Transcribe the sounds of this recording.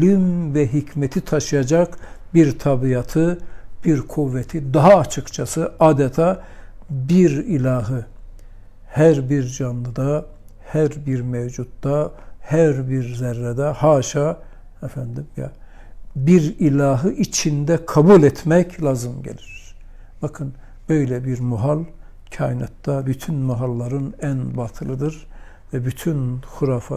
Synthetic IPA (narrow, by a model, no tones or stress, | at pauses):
ølymvɛɦicʰmet̪ʰit̪ʰaʃɯjad͡ʒɑkbiɾt̪ʰɑbijɑt̪ʰɯbiɾkʰuvːet̪ʰid̪ɑɦaːt͡ʃʰɯkt͡ʃʰasɯaːd̪ɛt̪ʰa | biɾilʲaːɦɯ | hæɾbiɾd͡ʒanlˠɯd̪a | hæɾbiɾmevd͡ʒut̪̚ːd̪ahæɾbiɾzæɾːɛd̪ɛhaːʃa | ɛfænd̪imja̰ | biɾilʲaːɦɯʔit͡ʃʰind̪ɛkʰabulʲɛt̪mɛcʰlʲaːzɯmɟḛlʲiɾ̥ | b̥akʰɯn | bø̞jlɛbiɾmuɦalˠ | cʰaːjinat̪d̪abyt̪ʰynmuɦalˠːaɾɯnænbat̪ʰɯlˠɯd̪ɯɾ | vɛbyt̪ʰynxuɾaːfa